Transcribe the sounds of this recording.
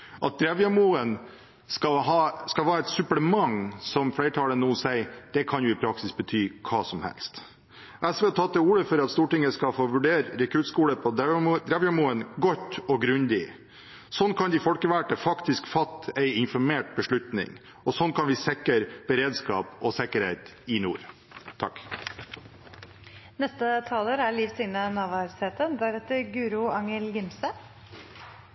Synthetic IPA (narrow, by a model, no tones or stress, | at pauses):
ʔɑt̪̚d̪ɾɛʋjɛmuːən | skɑɦɑskɑlhɑːɛt̪sʉpləmɑŋsɔmflæɪʈʰɑːlənuːsæɪd̪̥ɛkʰɑnjʊɪpʰɾɑksɪsbət̪ʰyːkʰɑːsɔmhɛ̰lst̪ | ʔɛsʋeːt̪ʰɑt̪d̪ɛuːɽəfɔɾɑt̪st̪uːʈɪŋːəskɑfoːʋʉɖeːɾɾɛkʰʉt̪skuːləpʰɔd̪ɛd̪ɾɛʋjɛmuːənɡɔt̪ːɔɡɾʉnd̪ɪ | sɔnːkʰɑnd̪ɪfɔlkəʋæʈəfɑkt̪ɪskfɑt̪ːæɪɪnfɔɾmeːʈ̚bəʂɭʉt̪nɪ̰ŋ | ɔsɔnkʰɑnʋɪsɛkːəɾb̥əɾeːd̪skɑ̰ːpɔsɛkːəɾheɪt̪ɪnṵːɾ | t̪ʰɑk | nɛst̪ət̪ʰɑːloːɾæɭiːfsɪŋnənɑːʋɑɾseːt̪ənd̪æɾɛt̪ːəɾɡʉːɾʊɑŋəlɡɪmsə